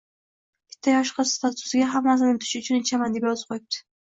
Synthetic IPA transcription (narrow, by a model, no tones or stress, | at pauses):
kʲʰɪ̥t̪ʰːajɒʃqɑst̪ʰat̪ʰʊ̥sɪɡʲaɦamːasɪnɪt̪ʰʊ̥ʃɪʊt͡ʃʰʊnɪt͡ʃʰamand̪epjɒzɨ̥pqʰojɪp̚t̪ɪ̥